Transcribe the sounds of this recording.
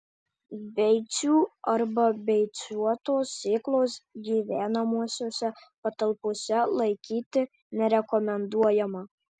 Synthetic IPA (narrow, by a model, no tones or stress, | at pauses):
bʲɛɪt̪sʲuːɐɾbɐbʲɛɪt̪sʲuɔt̪oːsʲeːklˠoːsɡʲiːʋʲæːnɐmuɔsʲoːsʲɛpɐt̪ɐlˠpoːsʲɛlˠɐɪkʲiːt̪ʲɪ | nʲɛɾʲɛkɔmʲɛnd̪uɔjɛmɐ